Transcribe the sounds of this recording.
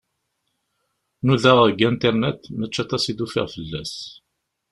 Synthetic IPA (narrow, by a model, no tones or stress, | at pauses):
nuðəʁəɡænt̪ɛɾnet̪mæt͡ʃːæt̪ɑsid̪ufḭʁfəlːæ̰s